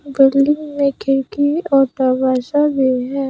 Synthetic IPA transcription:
bɪɾlɪnmẽkʰɪɾkiɔːʈabʱaːʃabʱiɦɛː

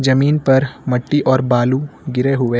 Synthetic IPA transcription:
d͡ʒɐmiːnpɐɾmɐʈːiʔɔːɾbaːluɡɪɾeɦʊʋe

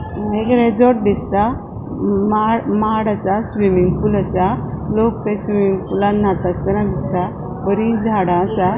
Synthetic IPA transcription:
mekɾed͡zɔʈ̚d̪ist̪a | maɽmaɽasasʋimiŋɡfulasalok̚t̪ẽsʋimiŋɡfulãnːat̪ast̪ənãd̪ist̪a | pəɾĩd͡zʱaɽãːsa

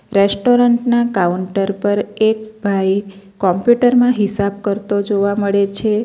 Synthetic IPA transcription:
ɾesʈoɾəɳʈnakauɳʈəɾpəɾek̚bʱajkɔmpjuʈəɾmãɦɪsab̚kəɾt̪od͡ʒoʋaməɭet͡ʃʰe

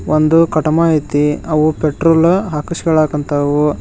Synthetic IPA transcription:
ond̪ukɐʈɐmaːjit̪iɐʋupeʈɾoːlɦakɐʃiɡɐɭaːkɐnt̪ʰɐʋu

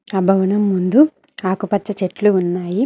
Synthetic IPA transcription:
ɐbʱɐwunɐmːund̪u | aːkupɐt͡ʃːɐt͡ʃeʈluːnːaːji

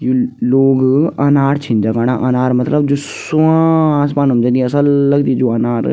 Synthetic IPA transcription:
juːloːɡanaːɾt͡ʃʰɪ̃nd͡ʒaːkaːɽaʔanaːɾmɐt̪ləbd͡ʒoːsʊãs̬paːnumd͡ʒãd̪iɐsəlːəɡd̪iːd͡ʒoːənaːɾ

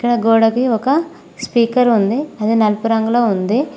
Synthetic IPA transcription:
ikːɐɽɐɡoːɽɐkiɔkɐ | spiːkɐɾund̪iɐd̪inɐlpuɾɐŋɡuloːund̪i

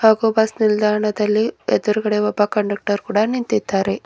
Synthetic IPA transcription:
haːɡuːbɐsnild̪ʱaːɾɐɳɐd̪ɐlːied̪ɐɾuɡɐɽeɔbakɐɳɖɐk̚ʈɐɾkuːɽaːnint̪it̪ːaːɾe

